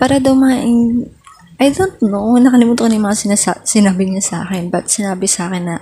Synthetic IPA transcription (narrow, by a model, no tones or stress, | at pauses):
paːɾɐd̪ɐwmɐaʔɪŋ | ʔɐjd̪ont̪̚nonɐkɐlɪmuːt̪oknɐjʊmɐŋasɪnsasɪnaːbɪɲasʔa̰ːkɪnbɐt̪̚sɪnaːbɪsaːkɪnːɐ